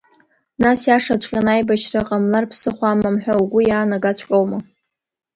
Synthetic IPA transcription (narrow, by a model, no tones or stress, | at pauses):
nasjaʂat͡ɕʷʼqʲʼanajbaʃraqʼamlarpʰsɨχʷamamħʷᶣawɡʷʊjaːnaɡat͡ɕʷʰkʲʼowma